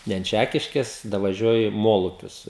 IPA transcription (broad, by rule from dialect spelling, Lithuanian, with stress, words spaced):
ˈnʲɛ ɐnt ˈt͡ʃʲækʲɪʃʲkʲeːs dɐʋɐˈʒʲuɔjɪ ˈmoːlˠʊpʲʊs